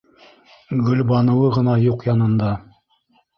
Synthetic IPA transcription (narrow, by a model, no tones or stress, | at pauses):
ɡɵ̆lʲbɑnɤ̆wɤʁɤ̆nɑjuqjɑnɤ̆nd̪ɑ